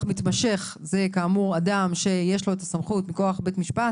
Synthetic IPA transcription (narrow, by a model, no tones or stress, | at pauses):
mit̪maʃe̞χze̞kaːmuʁadamʃe̞je̞ʃlo̞etasamχutmiko̞aχbetmiʃpat